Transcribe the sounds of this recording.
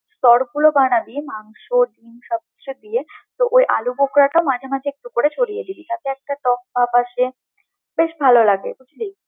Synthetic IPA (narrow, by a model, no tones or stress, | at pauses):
st̪ɔɾɡulobanabimaŋʃoɖimʃɔb̪̚ɾed̪ijet̪oʔojʔa̰lubokɾaʈaomad͡ʑʱemad͡ʑʱeek̚ʈukoɾet͡ɕʰoɽijed̪ibit̪at̪eɛk̚ʈaʈɔk̚bapaʃe | beʃbʱalolaɡḛkut͡ɕʰili